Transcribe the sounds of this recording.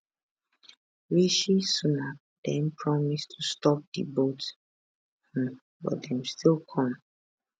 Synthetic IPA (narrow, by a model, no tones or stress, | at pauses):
ɹiʃisuna | d̥ɛ̃npʰɹɔmistʰustɔp̚dḭbot | h̩ | bɔ̰tdɛ̃mstilˠkʰɔ̃m